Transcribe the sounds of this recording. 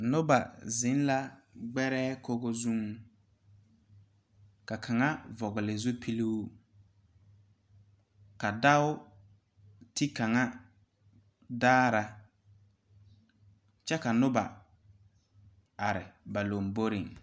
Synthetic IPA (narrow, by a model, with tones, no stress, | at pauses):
nʊ˦ba̰˨zɪ˨˦n˦la˦ɡ͡bɛ˦ɾɛː˦ko˦ɡo˦zu˦ŋ | ka˨kʰa˨ŋa˦vɔ˨ɣʊ˨lɪ˨zʊ˦pʰi˦li˦ | ka˨da˦ʊ˦ | tɪ˦ka˨ŋa˦ | daː˦ɾa˨ | t͡ʃɛ˦ka˨nʊ˦ba̰˨ | a˨ɾɪ˨ba˨lo˨mbo˦ɾɪ˨ŋ